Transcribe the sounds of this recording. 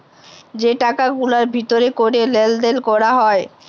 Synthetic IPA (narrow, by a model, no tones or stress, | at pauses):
d͡ʑeʈakaɡulaɾbʱit̪oɾekoɾeleld̪elkɔɾaɦɔe